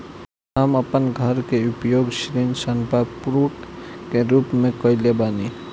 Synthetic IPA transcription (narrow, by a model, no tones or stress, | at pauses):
ɦaməpənɡʱəɾkeʊpjoːɡʃɾinsənpapuɾwəkːeɾuːpmẽkɔɪlebaːni